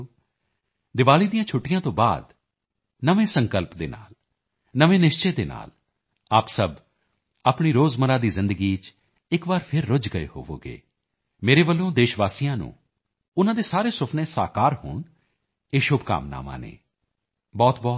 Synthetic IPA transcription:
d̪ɪʋaːliːd̪ijãːt͡ʃʰʊʈɪjãːt̪õːba̰ːd̪ | nəʋẽːsəŋkəlpd̪eːna̰ːl | nəʋẽːnɪʃt͡ʃeːd̪eːna̰ːl | aːpsəb | aːpɳiːɾoːzməɾãːd̪iːzɪ̃nd̪əɡiːt͡ʃ | ɪkbaːɾpʰɪɾːʊd͡ʒɡəḛːho̰ːʋo̰ːɡḛː | meːɾeːʋəlːõːd̪eːʃʋaːsijãːnṵ̃ː | ʊnãːd̪eːsaːɾeːsʊpʰnẽːsa̰ːkaːɾho̰ːɳ | eːʃʊbka̰ːmna̰ːmã̰ːnḛː | bɔːt̪bɔː

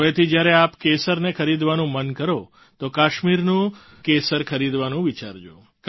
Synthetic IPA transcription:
ʋet̪ʰid͡ʒjaɾeapkesəɾnekʰəɾid̪ʋanũmənkəɾo | t̪okaʃmiɾnũ | kesəɾkʰəɾid̪ʋanũʋit͡ʃa̰ɾd͡ʒo | k

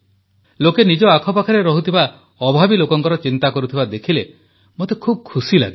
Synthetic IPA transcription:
lokenid͡ʒɔakʰɔpakʰaɾeɾɔɦut̪ʰiba | ɔbʱabilokɔŋkɔɾɔt͡ʃint̪akɔɾut̪ʰibad̪ekʰile | mot̪ekʰub̚kʰusila̰ɡi

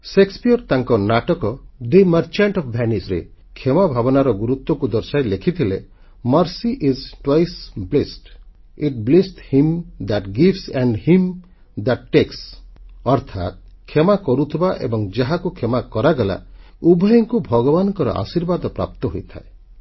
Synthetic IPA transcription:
sekspijɔɾt̪aŋkɔnaʈɔkɔd̪eməɾt͡ʃaɳʈɔfʰbʱɛnisɾḛ | kʰemabʱabɔnaɾɔɡuɾut̪wɔkud̪ɔɾsajlekʰit̪ʰile | mʌɾsiʔizʈwajsblesʈ | iʈ̚blesʈhimd̪aʈɡifsɛ̃ɳɖhim | d̪aʈːeksɔɾt̪ʰa̰t̪̚ | kʰemakɔɾut̪ʰibaʔḛbɔŋd͡ʒaɦakukʰemakɔɾaɡela̰ | ubʱɔjɔŋkubʱɔɡɔbanɔŋkɔɾɔ̰ʔa̰siɾbad̪ɔpɾa̰p̚t̪ɔɦojt̪ʰa̰e

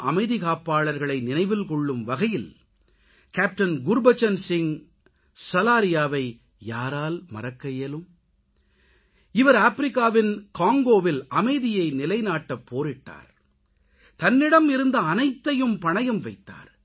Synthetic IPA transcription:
ʔɐmɐɪðɪɣaːpːaːɭɐɾɣɐɭɐɪnɪnɐɪʋɪlkɔɭːɯmʋɐɣɐjɪl | kaːp̚ʈɐnɡʊɾbɐt͡ʃːɐnsɪŋ | sɐlaːɾɪjaːʋɐɪ | jaːɾaːlmɐ̰rɐkːɐjeːlɯm | ɪʋɐɾaːfɾɪkːaːʋɪnkaːŋɡoːʋɪlʔɐmɐɪðɪjɐɪnɪlɐɪnaːʈːɐpːoːɾɪʈːa̰ːɾ | t̪ɐnːɪɽɐmɪɾɯnd̪ɐːnɐɪt̪ːɐjɯmpɐɳɐjɐmʋɐɪt̪ːa̰ːɾ

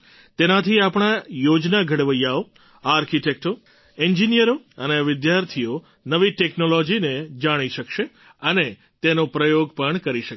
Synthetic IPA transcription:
t̪enat̪ʰiapɽ̃ajod͡ʒnaɡʱəɽʋəjao | aɾkiʈek̚ʈo | eɲd͡ʒinijəɾoəneʋɪd̪jaɾt̪ʰijo | nəʋiʈeknolod͡ʒined͡ʒaɽ̃iʃəkʃe | əne | t̪enopɾəjoɡpəɳkəɾiʃək

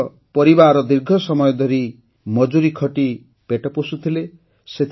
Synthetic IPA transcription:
pɔɾibaɾɔd̪iɾɡʱɔsɔmɔjɔd̪ɔɾi | mɔd͡ʒuɾikʰɔʈi | peʈɔpusut̪ʰile | set̪ʰ

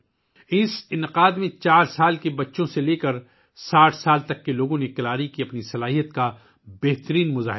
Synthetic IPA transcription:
ɪsɪnɪqaːd̪mẽt͡ʃaːɾsaːlkebɐtːʃõseleːkɐɾ | saːʈʰsaːlt̪ɐkːeloːɡõnekɐlaːɾikiɐpnisɐlaːɦijət̪ka | bɛːɦt̪əɾiːnmʊza̰ːɦɪ

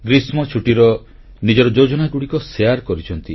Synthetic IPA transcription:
ɡɾismɔt͡ʃʰuʈiɾɔ | nid͡ʒɔɾɔd͡ʒod͡ʒɔnaɡuɽikɔseaɾkɔɾit͡ʃʰɔnt̪i

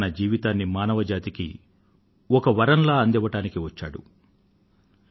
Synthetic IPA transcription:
nɐd͡ʒiːʋit̪aːnːimaːnɐʋɐd͡ʒaːt̪ikḭ | ɔkɐʋɐɾɐnlaːɐnd̪ɛʋːɐʈaːnikiʋɐt͡ʃːaːɽṵ

